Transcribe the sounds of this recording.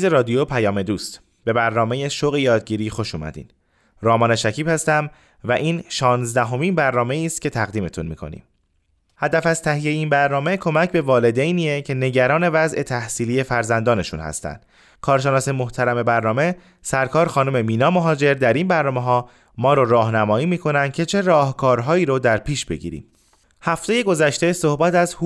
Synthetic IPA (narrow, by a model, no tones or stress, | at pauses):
zeɾɒːd̪ijopʰæjɒːme̞d̪uːst̪ | b̥e̞bæɾnɒːme̞jeʃoɣejɒːd̪̚ɡɟiːɾiːxo̞ʃuːmæ̰d̪ḭːn | rɒːmɒːneʃæcʰiːbhæst̪æm | væʔiːnʃɒːnzd̪æɦo̞miːnbæɾnɒːme̞iːst̪̚cʰʲe̞t̪ʰæɣd̪iːme̞̰t̪ʰunmḭːkʰo̞̰nḭːm | hæd̪æfæzt̪ʰæɦijejeinbæɾnɒːme̞kʰo̞mæcʰbe̞vɒːle̞d̪ejniːecʰe̞ne̞ɟæɾɒːne̞væzʔe̞t̪ʰæhsiːliːe̞fæɾzænd̪ɒːne̞ʃṵnhæ̰st̪æ̰nd̪̥ | kʰɒːɾʃe̞nɒːse̞moht̪ʰæɾæme̞bæɾnɒːme̞ | sæɾkʰɒːɾxɒːnome̞miːnɒːmoɦɒːd͡ʒe̞ɾd̪æɾinbæɾnɒːmeɦɒː | mɒːɾoɾɒːɦnæmɒːiːmiːkʰo̞nænd̪̚cʰe̞t͡ʃʰe̞ɾɒːhkʰɒːɾɦɒːiːɾod̪æɾpʰiːʃb̥e̞̰ɟḭːɾḭm | hæft̪e̞je̞ɡo̞zæʃt̪e̞so̞hbæt̪æzhu